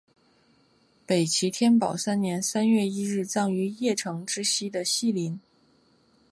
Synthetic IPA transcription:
pe˨˩ɪt͡ɕʰi˧˥t̪ʰjɛ˥npɑ˨˩ʊsa˥nnjɛ˧˥nsa˥nɥɛ˥˧i˥ɻɻ̩˥˩t͡sɑ˥˩ŋy˧˥jɛ˥˩ʈ͡ʂʰɤ˧˥ŋʈ͡ʂɻ̩˥ɕi˥d̪ə˨ɕi˥˩li˧˥n

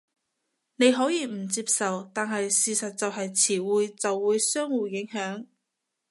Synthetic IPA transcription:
ne˨˧jɦɔː˨˥jiː˨˧m̩˨˩t͡siː˧˥psɐ˨wt̪aː˨nɦɐ˨jsiː˨sɐ˨t̚t͡sɐ˨wɦɐ˨jt͡sʰiː˨˩wuː˨jt͡sɐ˨wːuː˨˧˥jsœː˥ŋwuː˨jɪ˨˥ŋɦœː˨˥ŋ

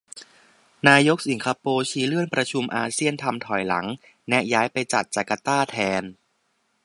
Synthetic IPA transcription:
naː˧jo˦˥k̚si˩˦ŋkʰaː˧poː˧t͡ɕʰiː˦˥lɯ˥˩ənpɾa˧t͡ɕʰu˧mʔaː˧si˥˩ənt̪ʰa˧mt̪ʰɔ˨˩jla˩˦ŋ | nɛ˦˥jaː˦˥jpa˧jt͡ɕa̰˨˩t̪̚t͡ɕaː˨˩kːa˧t̪aː˥˩t̪ʰɛː˧n

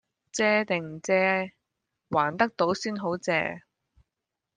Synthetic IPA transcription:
t͡sɛː˧t̪ɪ˨˩ŋt͡sɛː˧˥ | waː˨˩nt̪ɐ˥k̚t̪o˨˥wsiː˥nɦo˨˥wt͡sɛ̰ː˧

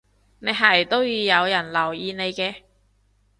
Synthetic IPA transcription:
ne˨˧jɦɐ˨jt̪o˥wjyː˨˧jɐ˨˧wjɐ˨˩nlɐ˨˩wjiː˨˧ne˨˧jkɛː˧

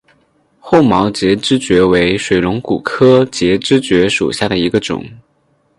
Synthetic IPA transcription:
xo˥˩ʊmɑ˧˥ʊt͡ɕjɛ˧˥ʈ͡ʂɻ̩˥t͡ɕɥɛ˧˥we˧˥ɪʂwe˨˩ɪlʊ˧˥ŋku˨˩kʰɤ˥t͡ɕjɛ˧˥ʈ͡ʂɻ̩˥t͡ɕɥɛ˧˥ʂṵ˨˩ɕja˥˩d̪ə˩i˧˥ɡə˧ʈ͡ʂʊ̰˨˩˦ŋ

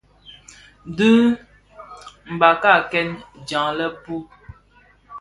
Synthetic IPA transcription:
dʉ˦ | m̩˨ba˨ka˦˨kɛ˦nd͡ʒa˨ŋlɛ˦pu˦

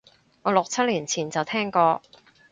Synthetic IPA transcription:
ŋɔː˨˧lo˨k̚t͡sʰɐ˥t̚liː˨˩nt͡sʰiː˨˩nt͡sɐ˨wt̪ʰɛː˥ŋkɔː˧

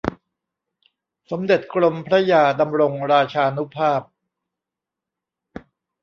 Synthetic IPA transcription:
so˩˦mde˨˩t̪̚kɾo˧mpʰɾa˦˥jaː˧da˧mɾo˧ŋɾaː˧t͡ɕʰaː˧nu˦˥pʰaː˥˩p̚

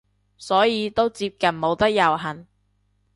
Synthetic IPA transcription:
sɔː˨˥jiː˨˧t̪o˥wt͡siː˧p̚kɐ˨nmo˨˧wt̪ɐ˥k̚jɐ˨˩wɦɐ˨˩n

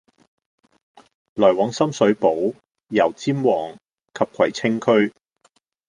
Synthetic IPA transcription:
lɔː˨˩jwɔː˨˥ŋsɐ˥msɵ˨˥ɥpo˨˥w | jɐ˨˩wt͡siː˥mwɔː˨˩ŋ | kʰɐ˨p̚kʰɐ˨˩jt͡sʰɪ˥ŋkʰɵ˥ɥ

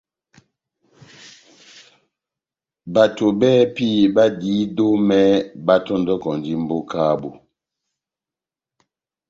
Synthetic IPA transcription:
ba˨to˨bɛ˦pi˦˨ba˦diː˨˦do˦mɛ˦ba˦tɔ˦n˦dɔ˦kɔ˨n˨di˦m̩˦bo˦ka˦bu˨

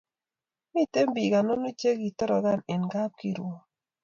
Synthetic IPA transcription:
ni˦te˦mbi˨ɡa˨no˦nu˦t͡ʃe˦ɡi˨tɔ˦ɾɔ˨ɡa˦˨nɪ˨nɡa˦p̚ki˦ɾu˨o˨

